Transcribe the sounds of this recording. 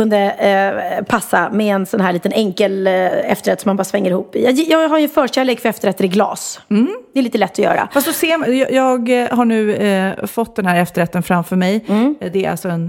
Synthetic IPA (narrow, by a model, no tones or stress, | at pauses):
kɵnd̪ə | pʰasːa̰mɛɛnsɔnɦæːɾɭiːt̪ənɛŋkəlɛft̪əɾɛt̪sɔmanbɑːɾasvɛŋːəɾɪhuːpːɪjɑjjɑːɡɦaɾjɵfœːɕæːleːɡkfœɾɛft̪əɾɛt̪ːɾɪɡlɑ̰ːs̩d̪ɛɾliːt̪əlɛt̪ːɔjœ̰ːɾa̰fast̪d̪ɔseːmjɑjɑːɡhaɳʉ̟ːfɔt̪ːd̪ɛnhæːɾɛft̪əɾɛt̪ːənfɾamfœɾmɛjd̪ɛːɾʔa̰lsɔɛn